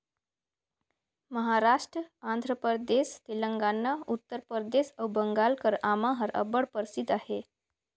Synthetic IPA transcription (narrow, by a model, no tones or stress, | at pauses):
məɦaɾaʂʈɾəand̪ʱɾəpəɾd̪est̪iləŋɡanːaut̪ːəɾpəɾd̪esəbəŋɡalkəɾamãɦəɾʔə̰bəɽpəɾsid̪ahe